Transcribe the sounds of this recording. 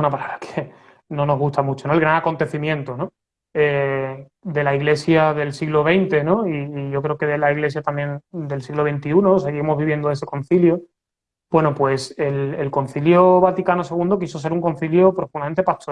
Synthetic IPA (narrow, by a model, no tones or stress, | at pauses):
unapalaβɾakʰe | no̞no̞ɦɣust̪amut͡ʃono̞elɣɾaŋako̞nt̪e̞θimjẽ̞nt̪ono̞ | e | d̪e̞laiɣle̞sjaðe̞lsiɣloβ̞e̞jnt̪e̞nõ̞iːʝo̞kɾe̞okeðelaiɣle̞s̬jat̪amje̞nd̪e̞lsiɣlo̞βe̞jnt̪iunose̞ɣiemo̞zβiβje̞nd̪oe̞se̞ko̞n̟θiljo | bwe̞nopwe̞se̞lelko̞n̟θiljoβat̪ikanose̞ɣũnd̪o̞k̬isose̞ɾuŋko̞n̟θiljopɾofunament̪e̞pat̪o